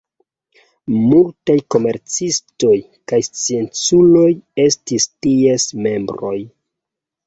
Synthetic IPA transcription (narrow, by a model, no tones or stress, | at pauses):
multajko̞me̞ɾt͡sisto̞j | kajst͡sie̞nt͡sulo̞je̞stistiesme̞mbɾo̞j